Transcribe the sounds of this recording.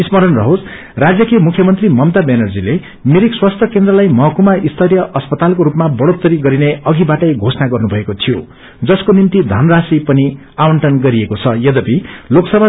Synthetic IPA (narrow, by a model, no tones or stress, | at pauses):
ismʌɾʌnrʌɦod͡z | rad͡zjʌkemukʰjʌmʌnt̪rimʌmt̪abenʌrd͡zile | miɾikswast̪ʰjʌkend̪rʌlajmʌɦʌkumaʔist̪ʰʌɾjʌʔʌspʌt̪alkoɾupmabʌɽot̪ːʌɾiɡʌɾineʌɡibaʈʌjɡʱosnaɡʌrnubʱʌekot̪ʰijo̰ | d͡zʌskonint̪id̪ʱʌnrasipʌni | awʌɳʈʌnɡʌɾiekot͡sʰʌjʌd̪ʌpiloksʌbʱa